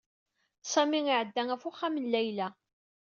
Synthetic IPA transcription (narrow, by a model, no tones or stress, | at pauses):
sæmiŋɪʕəd̪ːæŋæfuχːamənlæjlæ